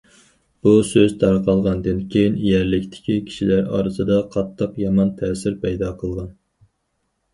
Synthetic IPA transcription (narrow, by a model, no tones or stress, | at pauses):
b̥usøzt̪ʰɑɾqʰɑlˠʁɑnd̪ɨnkʲʰejinijæɾlɪkʲt̪ʰɪ̥kʲikʲʰi̥ʃilæɾɑ̰ːɾɨsɨd̪ɑqʰɑt̪ʰːəqjɑmɑnt̪ʰɛːsɪɾpʰɛjd̪ɑqʰəlˠʁɑn